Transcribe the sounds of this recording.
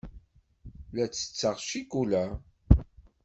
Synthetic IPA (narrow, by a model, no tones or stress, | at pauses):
læt͡sːə̥t͡sːəʁʃikulæ